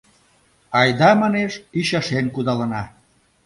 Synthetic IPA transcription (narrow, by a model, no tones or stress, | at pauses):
ɑjd̪ɑmɑneʃiɕɑʃenkud̪ɑlənɑ